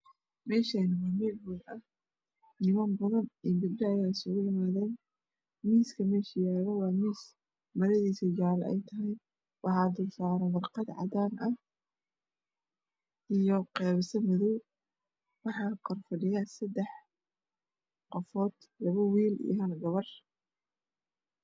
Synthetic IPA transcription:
mɛːʃɐjnɐmamɛːlwʊlɐ | nɪmanbɐðɐnibɪd̪dajaːsɔɣʊjɪmaːðɛːn | miːskʰɐmɛːʃɐjaːɣɐwɑːmiːs | mɐɾɐðiːsɐd͡ʒaːlɛ̰jt̪ʰɐɦɐj | wʔɑħɑːd̪ʊrsaːɾɛwɑrqɑd̪ʕɑ̰d̪aːnʔɐ | ʔijɔqɛːβɐsɐmʊðɔw | wɑħɑːqʰɔrfɐɖɪjaːsɐd̪ɛħ | qɔfɔːd̪ | lɐβɐwiːlḭjɦɐlɡɐβɐr

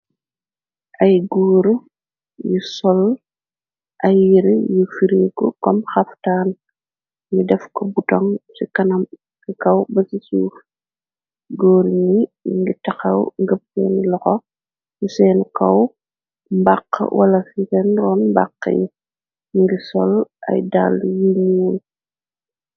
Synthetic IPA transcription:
ʔɐjɡɔːɾu | jusɔl | ʔɐjiɾjufiɾikɔkɔmxɐftaːn | ɲidɛfkɔbutɔŋsikɐnɐm | sikɐwbɐsisuːf | ɡɔːɾɲiŋɡitɐxɐwŋɡəp̚sɛ̰ːnlɔxɔ | jusɛːnkɐw | mbaqːwʔɐ̰lɐfisɛnrɔːnmba̰qːə̰ji | ŋɡisɔ̰lʔɐ̰jda̰lːjiɲiwul

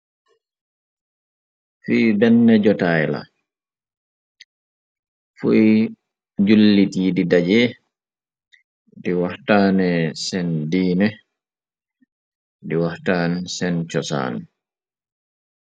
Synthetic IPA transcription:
fiːbɛnːɛd͡ʒɔtajla̰ | fuj | d͡ʒulːitiːdidad͡ʒɛ | diwahtaːnɛsɛndiːnɛ | diwahtaːnɛsɛnt͡ʃɔsa̰ːn

